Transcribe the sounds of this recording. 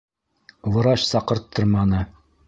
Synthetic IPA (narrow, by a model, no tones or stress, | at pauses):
w̪ˠɤ̆ɾɑɕsɑqɤ̆ɾt̪ʰːɤɾmɑnɤ